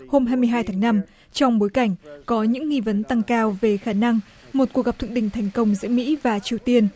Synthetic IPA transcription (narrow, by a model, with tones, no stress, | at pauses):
ho˧mɦaː˧jmɨ˧əjɦaː˧jt̪ʰaː˨˦ŋna˧m | t͡ɕɔ˧wŋ͡mɓo˨˦jka˧˩jŋ̟kɔ˨˦ɲɨ̰˧˥ŋːi˧və˨˦nt̪a˧ŋkaː˧wve˨˩xaː˧˩na˧ŋ | mo˨˩t̚ku˨˩k̚ɣa˨˩p̚t̪ʰɨ̰˧˨ɗï˧˩ŋt̪ʰɛ˨˩jŋ̟kə˧wŋ͡mzɨ̰˧˥əmḭ˧˥vaː˨˩t͡ɕi˨˩əwt̪i˧ən